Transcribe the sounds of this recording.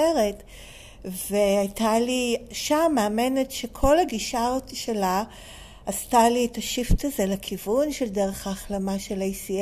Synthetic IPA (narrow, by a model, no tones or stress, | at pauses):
eʁet | veajtaliʃamːeamene̞tʃe̞kʰo̞laɡiʃaoʃelaː | stalietaʃiftazelakʰivunʃe̞ldeʁe̞χaːχlamaʃe̞lejsi